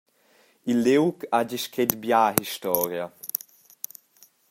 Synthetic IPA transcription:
ilːewkʰad͡ʒiʃkʰedbjaːɦiʃtɔːɾja

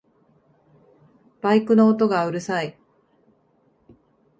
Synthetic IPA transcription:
b̥aikɯ̟no̞ːt̪o̞ɡaɯ̟ɾɯ̟sai

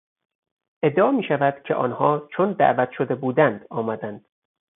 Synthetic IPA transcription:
ʔe̞d̪ːeɒːmiːʃævæd̪̥cʰe̞̰ʔɒːnhɒːt͡ʃʰond̪æ̰ʔvæt̪ʰʃod̪e̞buːd̪ænd̪ɒːmæd̪ænd̪̥

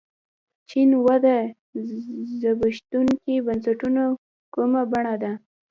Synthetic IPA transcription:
t͡ʃinwad̪a | zabaʃt̪uŋkibansaʈuno | kumabaɳad̪a

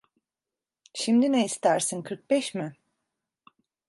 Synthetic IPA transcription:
ʃimd̪ineist̪ʰæɾsinkʰɯɾk̚bɛʃmɪ

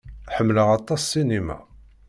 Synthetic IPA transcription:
ħəmːləʁɑt̪ˤːɑsːinimæ̰

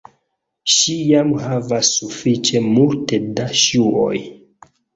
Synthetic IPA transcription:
ʃijamhavasːufit͡ʃe̞multedaʃuo̰j

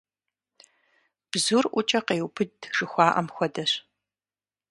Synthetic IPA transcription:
b̥zurʔʷʊt͡ʃʼɐqeːwpʰɨdʒ̥ɨxʷɑːʔɐ̰mxʷɔdɐɕ

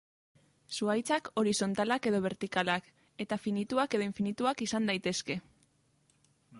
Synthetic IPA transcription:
suajt͡sako̞ɾiso̞nt̪alake̞ðo̞β̞e̞ɾt̪ikalak | e̞t̪afinit̪uake̞ðo̞iɱfinit̪uakisand̪ajt̪e̞ske̞

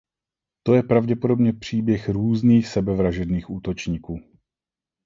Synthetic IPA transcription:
t̪o̞jɛpɾavɟɛpo̞do̞bɲɛpr̥iːbjɛxɾuːzniːxsɛbɛvɾaʒɛdniːxʔuːt̪o̞t͡ʃɲiːkuː

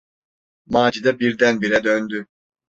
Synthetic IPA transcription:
maːd͡ʒid̪abiɾd̪ænbiɾɛd̪ønd̪y

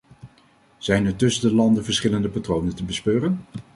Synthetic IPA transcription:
z̥ɛjnəɹtɵsədəlɑndəvəɹsχɪləndəpatrownəntəbəspøːrən

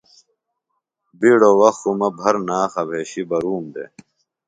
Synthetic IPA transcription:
biɽowɐxumɐbʱɐɾnaːxɐbʱeːɕibɐɾuːmd̪ḛ

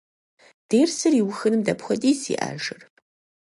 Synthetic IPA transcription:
d̥eːrsɨriwʊxɨnɨmdɐpxʷɔtʼiːsḭːʔa̰ːʒɨr

